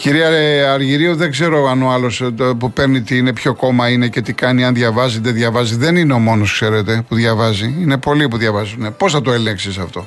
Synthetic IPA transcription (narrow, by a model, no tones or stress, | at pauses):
ciɾiɐɐɾʝiɾioðe̞ɡze̞ɾo̞ɐnoɐlo̞spupe̞ɾnit̪iːne̞pçoko̞mɐine̞ce̞t̪ikɐniɐnðʝɐvɐzid̪eðʝɐvɐziðe̞nineo̞mo̞no̞skse̞ɾe̞t̪e̞puðʝɐvɐziine̞po̞lipuðʝɐvɐzunepo̞sθɐt̪o̞eleŋksisɐft̪o̞